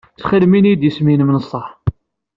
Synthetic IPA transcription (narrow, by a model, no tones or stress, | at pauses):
t͡sːχəlminijd̪jəsminmnəsˤːɑħ